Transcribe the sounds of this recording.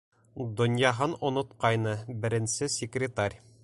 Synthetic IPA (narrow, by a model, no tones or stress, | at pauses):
d̪ŏnjɑɦɤnŏnŏt̪qɑjnɤbɘ̆ɾɘ̆nsɘsʲɪkrʲɪt̪arʲ